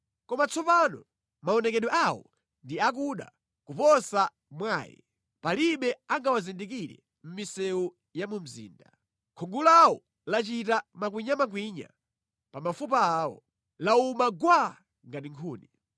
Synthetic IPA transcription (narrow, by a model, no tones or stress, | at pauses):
kɔmat͡sɔpanɔ | maɔnɛkɛɗɔʔawɔ̰ | ndiak̬uɗa̰ | kupɔsa | mwaːjɛ̰ | paliɓɛaŋɡawazindik̬iɾɛ̰ | m̩misɛu | jamum̩zḭːnda | kʰuŋɡulawɔ | lat͡ʃitamak̬wiɲamak̬wiɲa̰ | pamafup̬aːwɔ̰ | laumaɡwa | ŋɡatiŋkʰuːni